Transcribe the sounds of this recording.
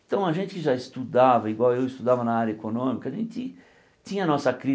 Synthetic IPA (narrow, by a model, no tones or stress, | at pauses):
ɪ̃t̪ɐ̃w̃ɐʒẽnt͡ʃ̪ɪkɪʒaɪst̪ud̪avɐiɡwawewɪst̪ud̪avɐnɐaɾjɐekonõmikɐːʒḛ̃nt͡ʃɪ | t͡ʃ̪ĩɲɐnɔsɐkɾi